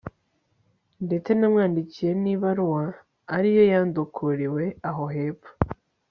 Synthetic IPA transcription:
nde̞t͡se̞namŋaːndicije̞niβaɾuwaː | ɾijo̞jaːndukʰuɾiwe̞aɦoɦe̞ːpu̥

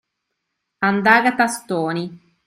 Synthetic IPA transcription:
and̪aːɡat̪ast̪oːni

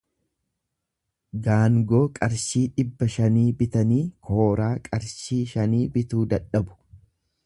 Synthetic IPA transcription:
ɡaːŋɡo̞ːkʼɐɾʃiːᶑɪbːɐʃɐniːbɪt̪ɐniːkʰo̞ːɾaːkʼɐɾʃiːʃɐniːbɪt̪uːd̪ɐᶑɐbʊ̥

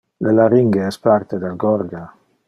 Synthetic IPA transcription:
lelaɾiŋɡeɛspaɾt̪ed̪alɡɔɾɡa

